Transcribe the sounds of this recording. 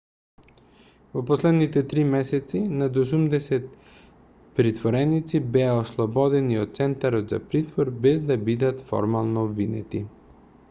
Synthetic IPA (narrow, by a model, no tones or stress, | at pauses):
voposlɛd̪nit̪ɛt̪ɾimɛsɛt̪sinad̪os̬umd̪ɛsɛt̪̚ | pɾit̪voɾɛnit̪sibɛaoslˠɔbɔd̪ɛniot̪̚t̪sɛnt̪aɾɔt̪za̰pɾit̪voɾbɛzd̪abid̪at̪fɔ̰ɾmalˠnoːbvinɛ̰t̪i